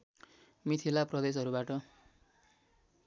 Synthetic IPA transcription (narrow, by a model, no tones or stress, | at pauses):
mit̪ʰilaprʌd̪es̬ʌɾubaʈʌ